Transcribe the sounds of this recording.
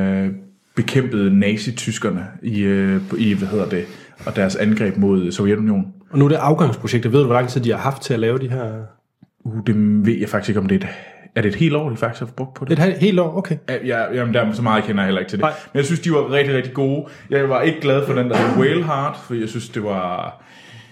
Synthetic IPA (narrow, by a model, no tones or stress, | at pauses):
b̥e̝kʰem̰b̥əð̞̩ˠnɛːsit͡sʰysɡ̥ɐnəiøiʋæhe̝ð̰ˠɐd̥e̝ | ɒ̽d̥æɐsænɡ̥ʁɛ̰ːb̥mo̝ð̞̰ˠsoʊjed̥unio̝̰ːnɒ̽nuɐd̥e̝ʔɑ̈ʊɡ̥ɑ̈ŋ̰spʰʁo̝ɕeɡ̥̚d̥ʋe̝ð̰ˠduʋɒlɑ̈ŋt͡sʰið̰̥ˠihɑ̈hɑ̈fd̥̚t͡sʰe̝ælɛːʊd̥iɦæɐ̰ | ud̥e̝ʋe̝ð̰ˠjɑ̈ɪfɑ̈ɡ̥ise̝ɡ̥ɒ̽md̥e̝d̥æɐɾ̥e̝ːd̥he̝̰ːldɒ̰ːlilfɑ̈ɡ̥isfb̥ɔ̽ɡ̥̚pʰɒ̥eed̥he̝̰ːld̥ɒ̰ːokʰejæjɑjæmend̥æɐmesɒ̽mɑ̈ːð̩ˠkʰenɐjhelɐeɡ̥̚t͡sʰe̝d̥ḛmenjɑ̈ɪsynsd̥iʋɑ̈ʁɛɡ̥d̥iʁɛɡ̥̚d̥iɡ̥o̝ːjɑ̈ɪʋɑ̈e̝ɡ̥əɡ̥lɛð̞ˠfɒ̽d̥endæhweːlɦɑːd̥fɒ̽d̥ḭːjɑ̈ɪsynsd̥e̝ʋɑ̈